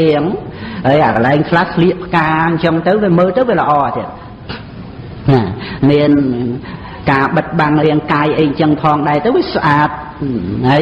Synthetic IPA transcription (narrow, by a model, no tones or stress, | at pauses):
iəŋɦəjʔakəlaɛŋkʰlahsʰliəʔpʰːə̥kaːɲt͡ɕəŋt̪ɨwʋiəməːlt̪əwʋiələ̆ʔɑːt̪iət̪̚ | namiən | kaːɓət̪̚ɓaŋriəŋkaːjʔəjɲt͡ɕəŋpʰɑːŋɗaɛt̪əwʋiəsʔaːt̪̚ | aː